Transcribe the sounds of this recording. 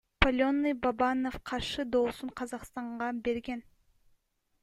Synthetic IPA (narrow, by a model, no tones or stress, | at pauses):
polʲonːɨjbabɑnofqʰɑɾʃɯd̪o̞ːsuɴqʰɑzɑqst̪ɑɴʁɑbe̞ɾɡen